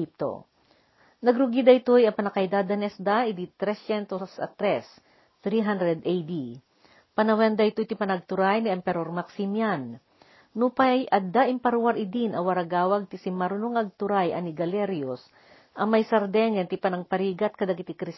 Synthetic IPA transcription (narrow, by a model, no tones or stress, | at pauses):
ip̚t̪o̰ | nɐɡɾʊɡid̪ɐjt̪ojɐpɐnɐkɐjd̪ad̪ɐnɛsd̪aʔid̪it̪ɾɛsjɛnt̪osɐ̰t̪ɾɛs | t̪ɾiɦand̪ɾɛd̪ʔɛjd̪i | pɐnɐwɛnd̪ɐjt̪ojt̪ɪpɐnɐɡ̚t̪ʊɾajniʔɛmpɛɾoɾmɐksimjanː | upɐjʔɐd̪aʔɪmpɐɾwaɾɪd̪inʔɐwɐɾaɡaːwɐɡ̚t̪ɪsɪmɐɾʊnoŋɐɡ̚t̪ʊɾajʔɐnɪɡɐlɛɾjos | ʔɐŋmɐjsɐɾd̪ɛŋɛnt̪ɪpɐnɐŋpɐɾiːɡɐt̪̚kɐd̪ɐɡɪt̪ɪkɾis